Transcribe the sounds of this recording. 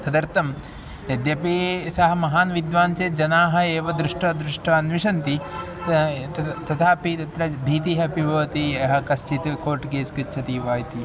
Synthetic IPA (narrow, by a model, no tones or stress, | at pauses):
t̪ɐd̪ɐɾt̪ɐm | ɐd̪jɐpeːsɐɦɐ̆mɐɦaːnʋid̪ʋaːnt͡ʃeːd͡ʒɐnaːɦɐeːʋɐd̪ɾuʂʈɐd̪ɾuʂʈʰɐɐnʋiʃɐnt̪i | ɐt̪ɐt̪ʰaːpit̪ɐt̪ɾɐbʱiːt̪̬iɦɐpibʱɐːt̪iɐɦɐkɐst͡ʃit̪kʰoːʈkeːskit͡ʃʰɐt̪iʋaːjt̪i